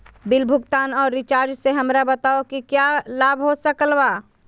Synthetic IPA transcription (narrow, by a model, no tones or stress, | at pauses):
bɪlbʱʊɡt̪aːnɔːɾːɪt͡ʃaːɾd͡ʒseɦəmɾabət̪aokikjalaːbʱɦosəkəlba